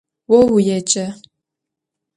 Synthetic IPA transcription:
wɔwujɛt͡ʃʼɐ

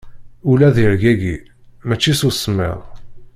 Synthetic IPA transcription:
ulæðiɾɡæɡi | mæt͡ʃːisusˤəmːɪ̰ðˤ

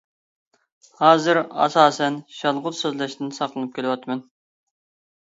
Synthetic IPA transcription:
hɑːzɨɾɑ̰sɑːsɛnʃɑlˠʁʊt̪søzlɛʃt̪ɪnsɑqlˠɨnɨp̚kʲʰelɪwɑt̪mɨn

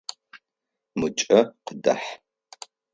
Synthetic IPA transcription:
mɨt͡ʃʼɐqədɐ̰ħ

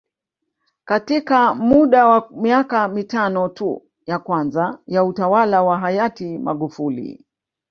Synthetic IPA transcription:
katikamuɗawamiakamitanɔtu | jakwanzajautawalawaɦajatima̰ɠufulḭ

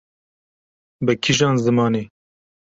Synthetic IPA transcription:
bɨkʰiʒɑːnzɨmɑːneː

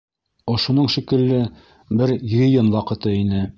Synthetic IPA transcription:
ŏʃŏnɤɴʃikɘ̆lːɘ | bɘɾjrʲɪjonwɑqɤ̆t̪ɤinɘ

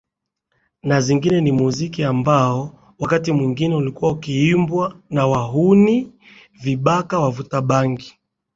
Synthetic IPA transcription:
naziŋɡinɛnimuzikiambaɔ | wakatimwiŋɡinɛulikuwaukiimbwanawaɦuni | viɓakawavutaɓaŋɡi

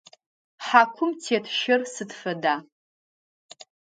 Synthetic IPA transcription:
ħakʷʰʊmtʰetʰʃɪrsɨdfɐda

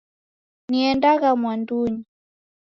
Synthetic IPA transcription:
niɛndaɣamwanduɲi

